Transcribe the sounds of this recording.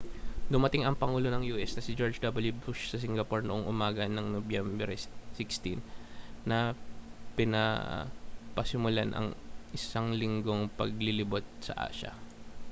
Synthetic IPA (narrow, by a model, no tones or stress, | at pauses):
d̪ʊmɐt̪ɪŋɐŋpɐŋuːlo̞nɐŋjuːʔɛsnɐsɪd͡ʒoɹd͡ʒd̪ɐbɐljubuʃsɐs̬ɪŋɡɐpoɹnoʔoŋʔʊmaːɡɐnɐŋnobjɛmbɛɾsɪkst̪inːɐ | pɪnɐ̰ | pɐsɪmʊlanʔɐ̰ŋʔɪsaŋlɪŋɡo̞ŋpɐ̰ɡ̚lɪlɪbot̪̚sɐ̰ʔa̰ːʃɐ̰